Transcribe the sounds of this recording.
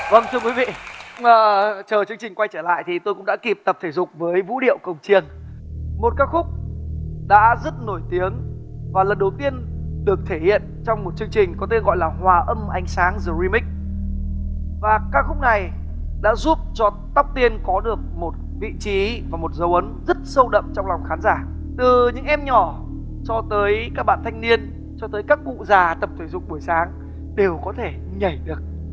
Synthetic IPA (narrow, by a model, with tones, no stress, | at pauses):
və˧ŋt̪ʰɨ˧əkwi˨˦vḭ˧˨əː˨˩t͡ɕəː˨˩t͡ɕɨ˧əŋt͡ɕi˨˩ŋ̟kwa˧jt͡ɕəː˧˩la̰ː˧˨jt̪ʰi˨˩t̪o˧jkʊ̰˧˥ŋ͡mɗa̰ː˧˥ki˨˩p̚t̪ə˨˩p̚t̪ʰe˧˩zʊ˨˩k͡p̚vəː˨˦jvṵ˧˥ɗḭ˧˨əwkə˨˩wŋ͡mt͡ɕi˧ənmo˨˩t̚kaː˦˥k̚xʊ˦˥k͡p̚ɗa̰ː˧˥zə˦˥t̚no˧˩jt̪i˨˦əŋvaː˨˩lə˨˩nɗə˨˩wt̪i˧ənɗɨ˨˩ək̚t̪ʰe˧˩hḭ˧˨ənt͡ɕɔ˧wŋ͡mmo˨˩t̚t͡ɕɨ˧əŋt͡ɕï˨˩ŋ̟kɔ˨˦t̪̬e˧nɣɔ̰˧˨jlaː˨˩hwaː˨˩ʔə˧mʔa˨˧jŋ̟saː˨˦ŋzɨ˨˩zi˧mï˦˥k̚ | vaː˨˩kaː˦˥xʊ˦˥k͡p̚na˨˩j | ɗa̰ː˧˥zu˦˥p̚t͡ɕɔ˧ | t̪a˦˥wk͡p̚t̪i˧ənkɔ˨˦ɗɨ˨˩ək̚mo˨˩t̚vḭ˧˨t͡ɕi˨˦vaː˨˩mo˨˩t̚zə˨˦wʔə˨˦nzə˦˥t̚sə˧wɗə̰˧˨mt͡ɕɔ˧wŋ͡mla˨˩wŋ͡mxaː˨˦nzaː˧˩ | t̪ɨ˨˩ɲɨ̰˧˥ŋʔɛ˧mɲɔ˧˩ | t͡ɕɔ˧t̪əː˨˦jkaː˦˥k̚ɓa̰ː˧˨nt̪ʰa˧jŋ̟ni˧ən | t͡ɕɔ˧t̪əː˨˦jkaː˦˥k̚ṵ˧˨zaː˨˩t̪ə˨˩pt̪ʰe˧˩jzʊ̰˧˨ŋ͡mɓu˧˩əjsaː˨˦ŋ | ɗe˨˩wkɔ˨˦t̪ʰe˧˩ | ɲə˨˧˩jɗɨ˨˩ək̚